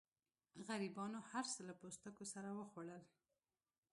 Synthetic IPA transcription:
ɣaɾibɑnohaɾsəlapost̪əkosaɾawəxwaɽəl

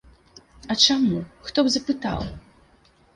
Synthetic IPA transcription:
ɐt͡ʂamuxt̪ɔbzɐpɨt̪a̰w

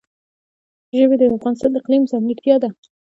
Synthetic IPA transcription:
ʒəβed̪əafɣɑnɪst̪ɑnd̪əɪqlimsanɪɽt̪jɑd̪a

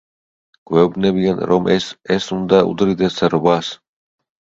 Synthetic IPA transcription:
ɡ̥wɛubnɛbianɾɔmʔɛsɛsund̪aṵd̪ɾid̪ɛsaɾɔbas

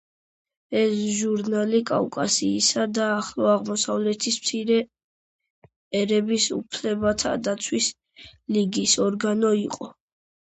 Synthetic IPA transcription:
ɛsʒuɾnalikʼa̰wkʼasiːsad̪aːχlˠɔaʁmɔsavlɛt̪ʰismt̪sʰiɾɛ | ɛɾɛbisṵpʰlɛbat̪ʰa̰d̪at̪sʰwis | liɡisɔɾɡanɔiqʼɔ

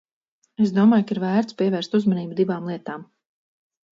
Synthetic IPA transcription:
esd̪uɔmaːjkaiɾvæːɾt̪spiɛvɛːɾst̪uzmaniːbud̪ivaːmlˠiɛt̪aːm

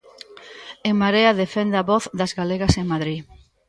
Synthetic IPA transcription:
eŋmaɾeaðefend̪aβɔθðɐzɣaleɣaseŋmaðɾi

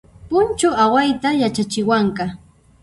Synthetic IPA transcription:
pʊnt͡ʃʊawajt̪ajat͡ʃat͡ʃɪwaŋkɑ

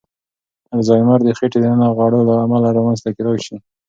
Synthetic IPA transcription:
aɾzɑjmaɾd̪əxeʈed̪əanɑɣwɑɽəlaːmalaɾɑmanzt̪akɪɾɑjʃi

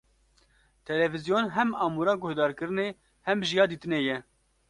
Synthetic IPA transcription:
t̪ʰɛlɛvizijoːnɦɛmɑːmuːɾɑːɡʊhd̪ɑːɾkɨɾɨneː | hɛmʒijɑːd̪iːt̪ɨnejɛ

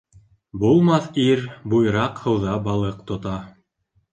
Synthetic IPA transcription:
bulˠmɑθiɾbujɾɑqhɤ̆wðɑbɑlˠɤqt̪ŏt̪ɑ

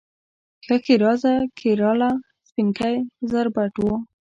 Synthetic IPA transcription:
xakiɾɑzakʰiɾɑla | spinkajzaɾbaʈwo

